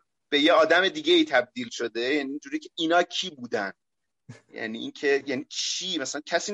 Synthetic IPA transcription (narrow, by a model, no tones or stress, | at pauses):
b̥e̞jeɒːd̪æme̞d̪iːɡeiːt̪ʰæb̚d̪iːlʃod̪ejæniːnd͡ʒuːɾiːcʰeiːnɒːcʰiːbuːd̪æn | jæ̰niʔincʰe̞jænikʰiːmæsælæncʲʰæsiː